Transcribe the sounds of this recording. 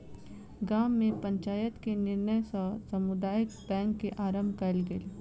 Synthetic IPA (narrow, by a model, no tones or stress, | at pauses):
ɡaːmːẽpə̃ɲt͡ʃaːjət̪kenɪɾnəjssɐmʊd̪aːjək̚bɛ̃ːŋkːeʔaːɾə̃mbʱkɐlɡəl